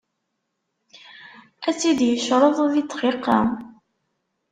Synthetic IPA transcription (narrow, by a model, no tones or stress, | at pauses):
æt͡sːid̪jəʃɾˤəðˤðit̪ːˤqiqːɑ̰